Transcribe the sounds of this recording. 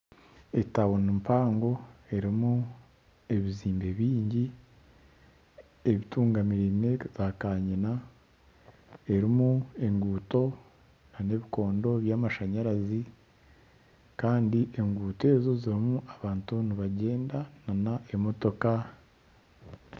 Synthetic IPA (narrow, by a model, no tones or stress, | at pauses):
etawonimpaːŋɡo̞e̞ɾimu | eβiziːmbeβiːɲɟi | eβituːŋɡamiɾimez̥aːkaːɲina | e̞ɾimue̞ŋɡuːto̞ | nane̞βiko̞ːndo̞βjaːmaʃaɲaɾazi | kaːndiʔe̞ŋɡuːte̞ːzo̞ziɾimuʔaβaːntuniβaɟe̞ːndananaemo̞to̞ka